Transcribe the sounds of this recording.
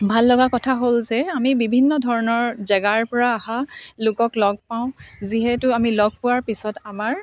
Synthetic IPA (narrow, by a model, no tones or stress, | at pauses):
bʱalːɔɡakɔtʰaɦolzɛamibibʱinːɔdʱɔɹɔnɔɹzɛɡaɹpɔɹaːhalʊkɔklɔɡ̚paʊ̃ziɦɛtʊamilɔɡ̚pʊwaɹpisɔtamaɹ